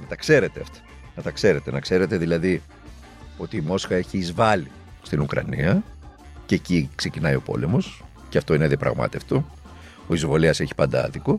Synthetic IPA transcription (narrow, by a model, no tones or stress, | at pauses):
nɐt̪ɐkse̞ɾe̞t̪e̞ɐft̪ɐ̥ | nɐt̪ɐkse̞ɾe̞t̪e̞nɐkse̞ɾe̞t̪e̞ðilɐði | o̞t̪iːmo̞sxɐe̞çiːzvɐli | st̪inukɾɐ̰niɐ | cecikse̞cinɐio̞po̞̰le̞mo̞s | ceɐft̪oineðiɐpɾɐ̰ɣmɐ̰t̪e̞ft̪o | oizvo̞liɐse̞çi̥pɐnd̪ɐ̰ðiko